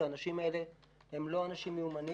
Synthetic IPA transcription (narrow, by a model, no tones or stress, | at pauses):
aːnaʃimaele̞ | hemlo̞anaʃimeumani